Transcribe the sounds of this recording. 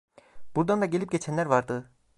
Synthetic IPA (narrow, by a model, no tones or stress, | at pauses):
b̥uɾd̪and̪aɟelʲip̚ɟet͡ʃʰænlʲæɾvɑɾd̪ɯ